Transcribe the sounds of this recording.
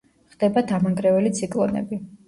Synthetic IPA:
χd̪̥ɛbad̪amaŋɡɾɛvɛlit̪sʰikʼlˠɔnɛ̰bi

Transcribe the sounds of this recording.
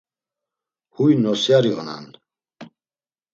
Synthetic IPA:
hujnɔsjaɾiɔna̰n

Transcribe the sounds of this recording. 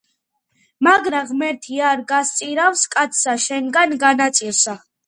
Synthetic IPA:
maɡɾaʁmɛɾt̪ʰiaɾɡast̪sʼiɾafskʼat̪sʰsaʃɛŋɡanɡanat̪sʼilsa

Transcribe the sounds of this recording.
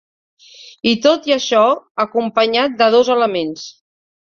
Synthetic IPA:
it̪ot̪iəʃɔəkumpəɲat̪̚d̪əðozələmens

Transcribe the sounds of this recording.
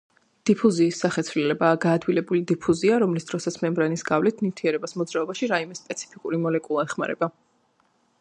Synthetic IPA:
d̪̥ipʰuziːsːaχɛt̪sʰvlilɛbaːɡaːd̪wilɛbulid̪ipʰuziaɾɔmlisd̪̥ɾɔsat̪sʰmɛmbɾanisɡavlit̪ʰnit̪ʰiɛɾɛbasmɔd̪zɾaɔbaʃiɾaimɛspʼɛt̪sʰi̥pʰikʼuɾimɔlɛkʼulˠaɛχma̰ɾɛba

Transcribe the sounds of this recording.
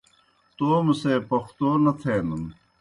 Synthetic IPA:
t̪oːmɐseːpɐxt̪oːnɐt̪ʰeːnɐm

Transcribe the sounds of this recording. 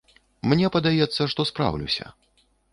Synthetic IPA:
mnʲɛpɐd̪ajɛt̪sːɐʂt̪ɔspɾa̰wlʲṵsʲɐ̰

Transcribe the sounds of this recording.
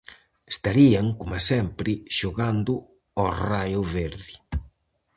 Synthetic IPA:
est̪aɾiaŋkomasɛmpɾɪʃoɣand̪ʊ | ɔrajʊβeɾðɪ

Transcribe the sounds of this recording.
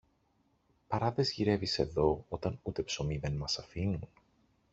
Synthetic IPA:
pɐɾɐðe̞zʝiɾe̞vise̞ðo̞o̞t̪ɐnut̪e̞pso̞miðe̞nmɐsɐfinun

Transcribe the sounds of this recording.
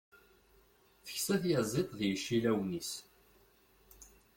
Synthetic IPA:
θə̥çsæθjəzˤet̪ˤðjəʃːilæwnis

